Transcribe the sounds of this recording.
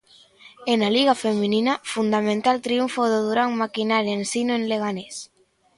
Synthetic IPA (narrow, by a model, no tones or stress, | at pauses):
enaliɣafemininafund̪amẽnt̪alt̪ɾiuɱfoðoðuɾaŋmakinaɾjensinoenleɣ̞anes